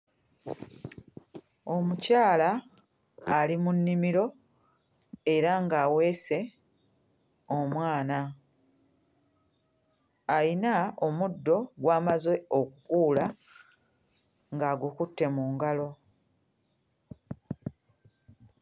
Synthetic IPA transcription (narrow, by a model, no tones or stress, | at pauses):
o̞mucaːlaː | limunːimiɾo̞ | e̞ɾaŋɡaːwe̞ːse̞ | omwaːna | ajinao̞mudːo̞ɡwaːmazwe̞o̞kukuːla | ŋɡaːɡukutːe̞muŋɡalo̞